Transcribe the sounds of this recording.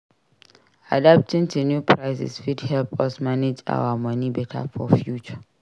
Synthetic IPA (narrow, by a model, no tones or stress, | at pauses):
adap̚tĩntʰunjupʰɹaɪsɪ̰sfidhɛlpɔsmaned͡ʒa̰wamʌ̃nibɛtʰa̰fɔfjut͡ʃa